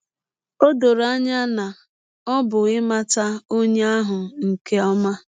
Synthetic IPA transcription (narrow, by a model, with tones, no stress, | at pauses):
o˦do˨ɾa˦ɲa˦na˨ | ɔ˦bʊ˨ɪ˦ma˦ta˦o˦ɲe˦a˦ɦʊ˨ŋ̩˨ke˦ɔ˦ma˦